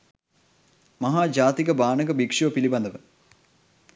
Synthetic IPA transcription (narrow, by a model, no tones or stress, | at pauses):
mɐɦaːd͡ʒaːt̪ikɐbaːnɐɡɐbikʂɐʋpilibɐnd̪ɐʋə